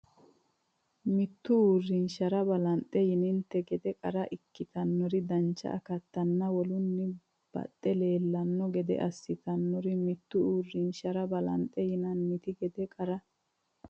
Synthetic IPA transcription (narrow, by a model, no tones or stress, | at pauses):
mɪt̪ːʊuːrːɪnʃɐɾɐbɐlɐnt̪ʼːɛjɪnɪnt̪ːɛɡɛd̪ɛkʼɐɾɐʔɪkːɪt̪ɐnːɔɾɪd̪ɐnt͡ʃːɐ̰ʔɐ̰kɐt̪ːɐnːɐwɔlʊnːɪ | b̥ɐ̰t̪ʼːɛle̞ːlːɐnːɔɡɛd̪ɛ̰ʔɐsːɪt̪ɐnːɔɾɪmɪt̪ːʊuːrːɪnʃɐɾɐbɐlɐ̰nt̪ʼːɛjɪnɐnmɪt̪ɪɡɛd̪ɛkʼɐɾɐ